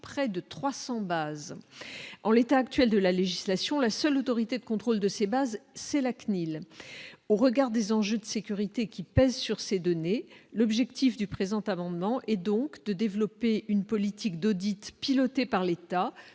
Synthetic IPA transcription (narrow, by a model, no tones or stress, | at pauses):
pχɛd̪ət̪χwasɑ̃baz | ɑ̃let̪aːkt̪ɥɛld̪əlaleʒislasjɔ̃lasœlot̪ɔʁit̪ed̪əkɔ̃t̪χold̪əsebazsɛlaknil | oʁəɡaʁd̪ezɑ̃ʒød̪əsekʲyʁit̪ekʲipɛzsyʁsed̪ɔnelɔbʒɛkt̪ʰifd̪ypχezɑ̃t̪amɑ̃d̪mɑ̃ʔɛd̪ɔ̃kd̪əd̪evlɔpeʔynpɔlit̪ikd̪od̪it̪pilɔt̪epaʁlet̪a